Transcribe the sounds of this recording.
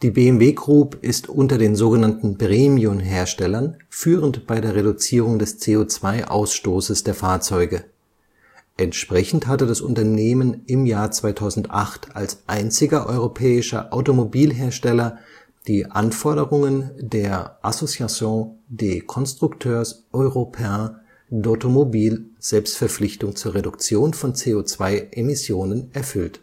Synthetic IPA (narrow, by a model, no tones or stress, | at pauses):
d̥iːbeɛmveːɡʁ̥uːpʔɪstʔʊntɐdeːnzoːɡənantn̩bʁeːmiʊmɦeːɐʃtɛlɐnfyːʁəntb̥aɪdeːɐʁeɾut͡siːʁ̞ʊŋdɛst͡seːoːt͡sv̥aɪʔa̰ʊsʃtoːsəsd̥eːɐfaːɐt͡sɔʏɡə | ʔɛntʃpʁ̥ɛçn̩thatədasʔʊ̰ntɐneːmənɪmjaːɐt͡sv̥aɪtʰaʊzn̩tʔaχtalsʔaɪnt͡sɪɡɐʔɔ̰ʏʁopʰɛːɪʃɐ̰ʔaʊtomobiːlɦeːɐʃtɛlɐ | d̥iːʔa̰nfɔɐɾəʁʊŋəndeːɐʔasot͡sjat͡sjõdeːkʰɔnstʁ̥ʊktʰøːɐsʔɔʏʁopʰa | dotomobiːlz̥ɛlpstfɛɐp͡fflɪçtʊŋt͡suːɐʁedʊkt͡sjoːnfɔnt͡seːot͡sv̥aɪʔemɪsjoːnənɛɐfʏlt